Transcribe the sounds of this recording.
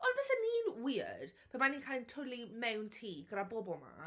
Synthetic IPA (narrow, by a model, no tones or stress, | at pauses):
ɔnvɛsaniːnwiə̰d̥pʰamaniːnkʰajlntʰʊlimɛwntʰiːɡɾabobɔlˠma̰